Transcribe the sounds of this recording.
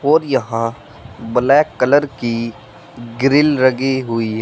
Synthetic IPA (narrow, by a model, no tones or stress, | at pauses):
ɔːɾjɐɦã | bɐlɛkːələɾki | ɡɪɾɪlɾɐɡiɦʊiɦ